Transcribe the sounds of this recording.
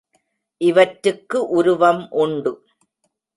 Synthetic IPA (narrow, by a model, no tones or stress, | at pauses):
ʔɪʋɐʈɾɯkːɯʔʊɾʊʋɐmʔʊɳɖɯ